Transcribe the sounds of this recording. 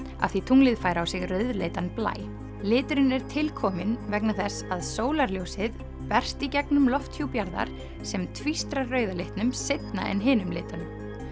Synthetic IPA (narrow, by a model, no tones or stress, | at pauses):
a̰̥θit̪ʰuŋlɪðfaːjɾawsɪɣrœːɥðlḛjt̪anpla̰ːj | lɪːt̪ʏɾɪnɛɾ̥t̪ʰɪlkʰɔːmɪnvɛknaθɛsaðsoːwlaɾljowsɪð | pɛr̥st̪icɛknʏmlɔft̪hjupjaɾða̰ɾ̥ | sɛmt̪ʰvist̪ɾarœːɥðalɪht̪nʏmsɪt̪na̰ʔɛ̰nɦɪːnʏmlɪːt̪ʏm